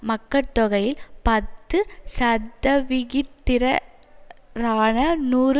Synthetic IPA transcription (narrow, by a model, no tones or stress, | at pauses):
mɐkːɐt̪ːɔɣɐjɪlpɐt̪ːɯsɐd̪ːɐʋɪɣɪt̪ːɪɾɐ | ɾaːnɐnuːɾ